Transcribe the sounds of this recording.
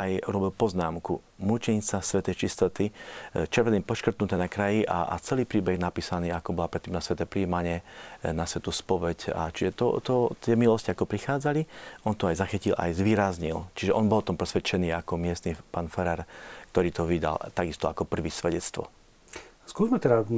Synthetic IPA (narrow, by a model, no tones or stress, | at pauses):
ʔajuɾɔbilpɔznaːmku | mut͡ʃiɲt͡sasʋɛt̪ɛjt͡ʃist̪ɔt̪it͡ʃɛɾʋɛniːpɔʃkr̩t̪nut̪ɛːnakɾajiʔa̰t͡sɛliːpɾiːbɛɣnapiːsaniːakɔbɔlapɾɛt̪ːiːmnasʋɛt̪ɛːpɾiːmaɲɪɛnasʋɛt̪uspɔʋɛca̰t͡ʃiʒɛt̪ɔt̪ɔt̪ɪɛmilɔsciakɔpɾixaːd͡zaliʔɔnt̪ɔajzaxicilʔa̰jzʋiːɾazɲilt͡ʃiʒɛʔɔnbɔlɔt̪ɔmpɾɛsʋɛt͡ʃɛniːakɔmɪɛst̪nipaːnfɛɾaɾk̚t̪ɔɾiːt̪ɔʋid̪a̰lt̪aɡist̪ɔakɔpr̩ʋiːsʋɛɟɛt͡st̪ʋɔ̰ | skʊuzmɛt̪ɛda